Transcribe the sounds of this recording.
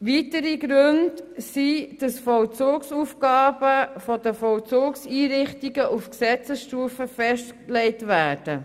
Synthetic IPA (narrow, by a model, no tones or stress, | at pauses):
ʋiːtəɾiɡɾʉndsid̥ɑsfɔlt͡soːksuːfɡ̥ɑːb̥əfɔd̥əfɔwt͡soːksiːɾɪχtiɡəʔufksɛt͡səsʃtuːfəfɛʃtklɛɪtʋæːɾd̥ə